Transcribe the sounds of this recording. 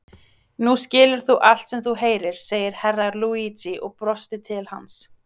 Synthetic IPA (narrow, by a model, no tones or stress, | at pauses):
nuscɪːlɪɾ̥θuʔal̥t̪sɛmθuɦeːjɾɪɾ̥seːjɪɾ̥hɛrːaɾluiiʔɔɣpɾɔst̪ɪt̪ʰɪlha̰ns